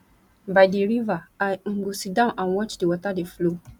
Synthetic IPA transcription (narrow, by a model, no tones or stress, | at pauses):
baɪdeɾivaaŋ̩ɡ͡bosidãʊ̃nʔãnwɔt͡ʃdewɔtadeflo